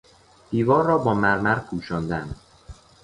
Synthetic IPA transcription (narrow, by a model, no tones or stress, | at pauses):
d̪̥iːvɒːrːɒːbɒːmæɾmæɾpʰuːʃɒːnd̪æn